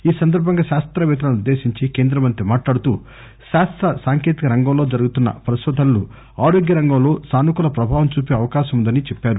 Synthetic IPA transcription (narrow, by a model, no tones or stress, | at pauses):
iːsɐnd̪ʱɐɾbʱɐŋɡaːʃaːst̪ɾɐʋɛːt̪̬ɐnnud̪ːe̞ːsiɲt͡ʃikeːnd̪ɾɐmɐnt̪ɾimaːʈlaːɽut̪uː | ʃaːst̪ɾɐsaːŋke̞ːt̪ikɐɾɐŋɡɐmlo̞ːd͡ʒɐɾuɡut̪unːɐ̰pɾɐʃɐd̪ʱɐnlu | aːɾoːɡjɐɾɐŋɡɐmlo̞ːsaːnukulɐpɾɐbʱaːʋɐmt͡ʃuːpeːɐʋɐkaːʃɐmund̪ɐnit͡ʃɛpːaːɾu